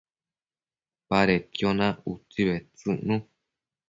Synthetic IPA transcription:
paɾet̪jonãut͡siβet͡sɨnũ

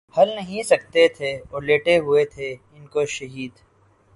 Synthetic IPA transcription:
hɐlnɐɦĩsɐk̚t̪et̪ʰeɔːɾleːʈeɦʊet̪ʰeɪnkoʃɐɦiːd̪

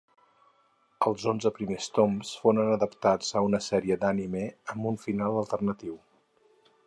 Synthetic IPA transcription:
əlˠzonzəpɾimest̪omsfoɾənəðəpt̪ad͡zəunəsɛɾiəd̪animeəmbuɱfinalˠəlˠt̪ərnət̪iw

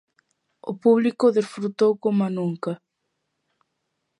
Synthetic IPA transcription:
opuβlikoðesfɾut̪owkomanuŋka

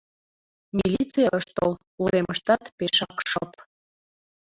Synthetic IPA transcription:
mʲilʲit͡sɨjɑəʃt̪ol | uɾeməʃt̪ɑt̪peʃɑkʃəp

